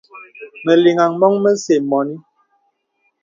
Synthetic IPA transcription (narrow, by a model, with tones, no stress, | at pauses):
mɛ˨li˨ŋa˨ŋmɔ˦ŋmɛ˦se˨mɔ˨ni˦